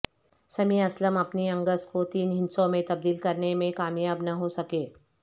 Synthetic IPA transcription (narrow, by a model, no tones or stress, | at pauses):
sɐmiɐsləmɐpniɐ̃ŋɡəskot̪iːnɦɪ̃nsõmẽt̪ɐb̚d̪iːlkɐɾnemẽkaːmjaːbnɐɦosɐkeː